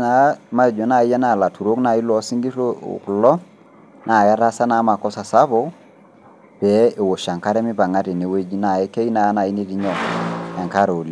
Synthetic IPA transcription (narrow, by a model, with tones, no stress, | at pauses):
na˨˦ma˦˨d͡ʒɔ˨na˨ɪ˦a˦na˦˨la˨tu˨ɾo˦kna˨i˦lɔ˨˦si˦ŋɡi˦ɾo̰˦˨klɔ˦ | na˨ja˦ɾa˦sa˦na˨˦ma˨kɔ˦sa˨sa˦bɔ˦ | pɛ˨˦e˨wo˨ʃa˨ŋka˦ɾɛ˦mɪ˦pa˨ŋa˦te˨ne˨we˦d͡ʒi˦na˨e˦ke˦i˦na˨˦na˨i˦ne˦ti˨˦ɲɔ˨a˨ŋka˦ɾo˨li˨˦